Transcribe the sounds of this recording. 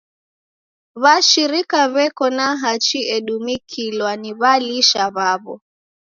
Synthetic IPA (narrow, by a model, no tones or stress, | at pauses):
βaʃiɾikaβɛkɔnaɦat͡ʃiɛɗumikʰilwaniβaliʃaβaβɔ̰